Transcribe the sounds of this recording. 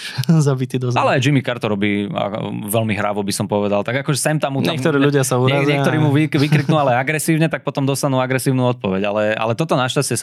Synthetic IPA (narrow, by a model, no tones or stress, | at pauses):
zabit̪iːd̪ɔzalɛajd͡ʒimikaɾt̪ɔɾɔbiːa̰ʋɛlmiɦɾa̰ʋɔbisɔmpɔʋɛd̪alt̪aɡakɔʒɛsɛmt̪amːuɲaɛkt̪ɔɾiːluɟɪasauɲɾaɲzɛkt̪ɔɾiːmuʋiʋikɾiknualɛaɡɾɛsiːʊɲɛt̪ak̚pɔt̪ɔmd̪ɔst̪anuːaɡɾɛsiːʊnuːɔt̪̚pɔʋɛɟalɛa̰lɛt̪ɔt̪ɔnaʃcast͡ɕɛ